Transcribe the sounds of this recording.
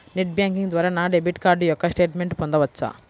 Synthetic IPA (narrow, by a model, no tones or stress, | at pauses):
neʈ̚bjaːŋkiŋɡd̪ʋaːɾanaːɖebiʈkaːɾɖujɔkːɐsʈeːʈmeɳʈpond̪ɐʋɐt͡ʃːa̰